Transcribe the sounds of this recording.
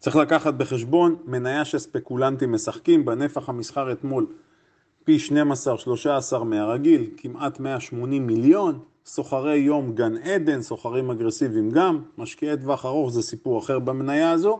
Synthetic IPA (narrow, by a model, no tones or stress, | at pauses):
t͡sʁiχlakaχat̪̚be̞χe̞ʃbo̞nme̞najaʃelspe̞kulant̪imːe̞saχkimbene̞faχhamisχaʁe̞t̪mo̞l | piʃne̞masaʁʃlo̞ʃaːsaʁmeaʁaɡilkimʔat̪me̞aʃmo̞nimːiljo̞n | so̞χaʁe̞jːo̞mɡane̞d̪e̞nso̞χaʁimaɡʁesivimɡamːaʃkiet̪vaχaʁo̞χzesipuʁaχe̞ʁbamenajaazo̞